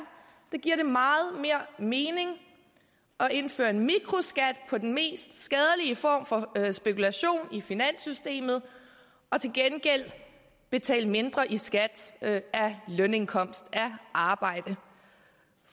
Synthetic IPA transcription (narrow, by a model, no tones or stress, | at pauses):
d̥ëɡ̥iɐ̰ɾ̥e̝mɑ̈ːð̞̩ˠme̝ɐ̰me̝ːne̝ŋ | ʔɒ̽e̝nfø̰ːɐe̝nmiɡ̥ʁo̝sɡ̥æd̥pʰɒ̽d̥en̩me̝̰ːsd̥sɡ̥ɛð̞ˠəliəfɒ̰ːmfɒ̽sb̥e̝kulæɕo̝̰ːnifinæn̰sysd̥e̝̰ːmð̞̩ˠ | ɒ̽t͡sʰe̝lɡ̥enɡ̥el̰ | b̥e̝t͡sʰɛ̰ːləme̝nd̥ʁɐʔisɡ̥æd̥ælœne̝nkʰɒ̽m̰sd̥æʔɑ̈ːb̥ɑ̈ɪ̰d̥ə